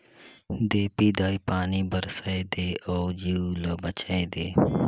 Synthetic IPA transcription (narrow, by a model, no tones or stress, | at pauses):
d̪eːpiːd̪aːiːpaːniːbəɾsaeːd̪eːoːd͡ʒiuloːbət͡ʃaːeːd̪eː